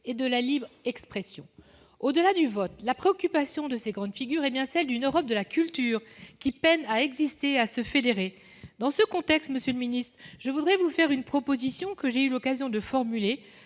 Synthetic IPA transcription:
ed̪əlalibʁɛkspχɛsjɔ̰̃ | od̪əlad̪yvɔt̪lapχeɔkʲypasjɔ̃d̪əseɡʁɑ̃d̪fiɡʲyʁɛbjɛ̃sɛld̪ynøʁɔp̚d̪əlakʲylt̪yːʁkʲipɛnaɛɡzist̪easəfed̪eʁe | d̪ɑ̃səkɔ̃t̪ɛkst̪məsjøləminist̪χʒəvud̪ʁɛvufɛʁynpχɔpozisjɔ̃kəʒeylɔkazjɔ̃d̪əfɔʁmyle

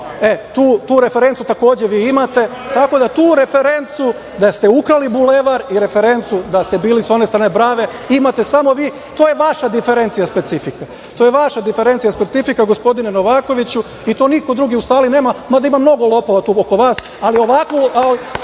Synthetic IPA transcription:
e̞t̪uːt̪uːɾe̞fe̞ɾe̞nt̪sut̪ako̞ːd͡ʑeʋiːimat̪e̞ | t̪ako̞d̪at̪uːɾe̞fe̞ɾe̞nt̪su | d̪ast̪eukɾalibuleʋaɾiɾe̞fe̞ɾe̞nt̪sud̪ast̪e̞biːliso̞nest̪ɾaːnebɾaːʋe̞imat̪e̞samo̞ʋiː | t̪o̞ːje̞ʋaʃad̪ife̞ɾe̞nt̪sijaspe̞t̪sifika | t̪oje̞ʋaʃad̪ife̞ɾe̞nt̪sijaspe̞t̪sifikaɡo̞spo̞d̪ineno̞ʋaːko̞ʋit͡ɕu | it̪o̞ːniko̞d̪ɾuɡiusaːline̞ːmamad̪aimamno̞ɡo̞lˠo̞po̞ʋat̪uːoko̞ʋaːs | alio̞ʋakoali

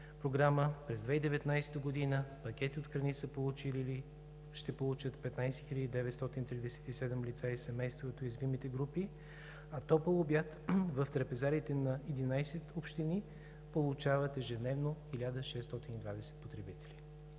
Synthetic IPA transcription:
pɾoɡɾaməpɾɛzd̪vɛid̪ɛvɛt̪najsɛ̥t̪əɡod̪inəpɐkʲɛt̪iot̪xɾɐnisəpolˠut͡ʃilili | ʃt̪ɛpolˠut͡ʃət̪pɛt̪najsɛ̥xilʲad̪id̪ɛvɛt̪st̪ɔt̪int̪ɾid̪ɛsɛ̥t̪isɛd̪ɛmlit̪saisɛmɛjst̪vt̪oizvimit̪ɛɡɾupi | ɐt̪ɔpəlˠobjat̪vəft̪ɾɐpɛzaɾit̪ɛnɐɛd̪inajsɛt̪opʃt̪ini | polˠut͡ʃavət̪ɛʒɛd̪nɛvnoxilʲad̪əʃɛst̪ɔt̪inid̪vad̪ɛsɛ̥t̪̚pot̪ɾɛbit̪ɛli

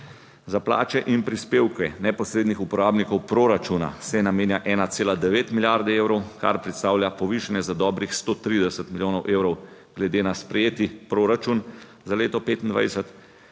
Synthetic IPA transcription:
zapla̰ːt͡ʃɛʔinpɾispeːwkʋɛnɛpɔsɾeːd̪nixupɔɾaːbnikɔwpɾoɾat͡ʃuna̰sɛnameːnjaʔɛːnat̪seːlad̪ɛʋeːt̪miljaɾd̪ɛeːwɾɔwka̰ɾpɾɛt̪st̪aːwljapɔʋiʃanjɛzad̪ɔːbɾixst̪ot̪ɾid̪ɛsət̪miljoːnɔwʔeːwɾɔw | ɡ̥lɛd̪eːnaspɾɛjeːt̪ipɾoːɾat͡ʃun | zaleːt̪ɔpeːt̪ind̪ʋa̰jdɛsət̪

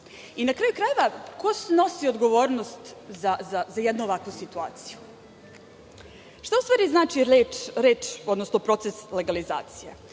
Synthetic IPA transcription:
inakɾaːjukɾajeʋako̞sno̞sio̞d̪ɡo̞ʋo̞ːɾnost̪zazazajed̪nuoʋakʋusit̪ua̰ːt̪siju | ʃt̪aust̪vaːɾiznaːt͡ʃiɾeːɾeːt͡ʃod̪nosno̞pɾo̞t̪sesle̞ɡaliza̰ːt̪sije

